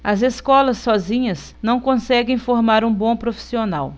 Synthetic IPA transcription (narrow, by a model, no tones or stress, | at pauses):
ɐzeskɔlɐsːɔzĩɲɐs | nɐ̃w̃kõsɛɡẽj̃foɾmaɾũbõpɾofi̥sionaw